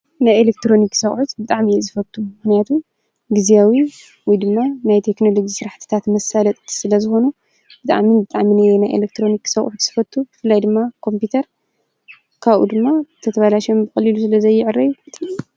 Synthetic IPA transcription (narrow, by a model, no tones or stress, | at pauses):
najelek̚t̪ɾo̞niksɐxʼħut̪bɨt̪ʼaʕmijezɨfɐlt̪ʰumɨxnijat̪ʰu | ɡɨziawi | wɔjd̪ɨmːanajt̪ʰe̞kno̞lo̞d͡ʒisɨɾaħt̪ʰɨ̥t̪ʰat̪mɐsalɐt̪ʼsɨlɐzɨxo̞nu | b̥ɨt̪ʼa̰ʕminbɨt̪ʼaʕminɨjenajʔelek̚t̪ʰɾo̞niksɐχʼʕut̪z̥ɨfɐt̪ʰːubɨfɨlːajd̪ɨmːakʰo̞mpit̪ʰɐɾ | kʰaβʔṵd̪ɨmːat̪ʰɐt̪ʰɐβalaʃombɨxʼɐlilusɨlɐzɐjːɪʕɨrːɐjt̪ʰ